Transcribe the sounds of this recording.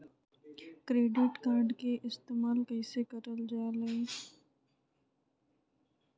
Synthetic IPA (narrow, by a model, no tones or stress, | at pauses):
kɾeːɖɪʈkaːɾɖkeʔɪst̪eːmaːlkəɪsekəɾəld͡ʒaːle